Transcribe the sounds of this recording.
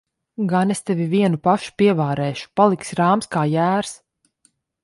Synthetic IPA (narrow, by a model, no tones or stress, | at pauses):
ɡanest̪ɛviviɛnupaʃu̥piɛvaːɾɛːʃu̥palˠiksɾaːmskaːjæːɾs